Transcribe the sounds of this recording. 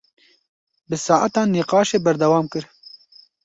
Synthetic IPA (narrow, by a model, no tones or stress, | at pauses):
bɨsɑːʔat̪ɑːnːiqɑːʃeːbɐɾd̪ɐwɑːmkɨɾ